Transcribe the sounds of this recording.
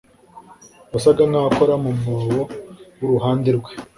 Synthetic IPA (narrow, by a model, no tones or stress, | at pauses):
βasaɡaŋaakoɾamumuwowuɾuɦaːndiɾɡwe